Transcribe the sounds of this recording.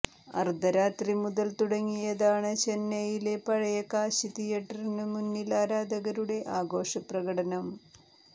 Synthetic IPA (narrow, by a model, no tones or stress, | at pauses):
ɐ̰rd̪ʱɐɾaːt̪rimuðɐlt̪uɽɐŋːijɐðaːɳɨt͡ɕe̞nːɐjile̞pɐɻɐjɐkaːɕit̪ijeʈːɐrinɨmunːilaːɾaːd̪ɐɣɐɾuɽe̞ʔaːɡo̞ːʂɐprɐɣɐɽɐnɐm